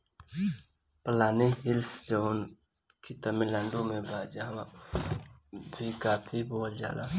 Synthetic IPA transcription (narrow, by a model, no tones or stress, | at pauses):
pəlaːniɦɪlsd͡ʒoːn | kit̪əmilaːɳɖomẽbaːd͡ʒ | bʱikaːpʰiboːld͡ʒa̰ːlaː